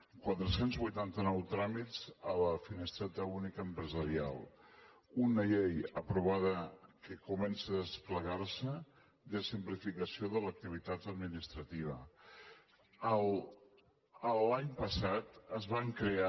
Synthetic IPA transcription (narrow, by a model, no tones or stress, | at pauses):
kwat̪ɾəsenzβujt̪ant̪ənɔwt̪ɾamizələfinest̪ɾat̪əunikəmpɾəzəɾia̰lˠ | unəʎejəpɾuβ̞aðəkəkumɛnsəðəspləɣaɾsə | d̪əsimplifikəsioðələk̚t̪iβ̞it̪at̪əd̪minist̪ɾət̪iβə̰ | əl | əlaɲpəsat̪əzβaŋkɾea